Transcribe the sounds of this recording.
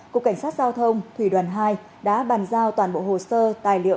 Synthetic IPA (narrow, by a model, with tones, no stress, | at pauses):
ku˨˩əkːa˧˩jŋ̟saː˦˥t̚zaː˧wt̪ʰə˧wŋ͡mt̪ʰwi˧˩ɗwaː˨˩nɦaː˧j | ɗa̰ː˧˥ɓaː˨˩nzaː˧wt̪waː˨˩nɓo̰˧˨ho˧˨˩səː˧t̪aː˨˩jlḭ˧˨ə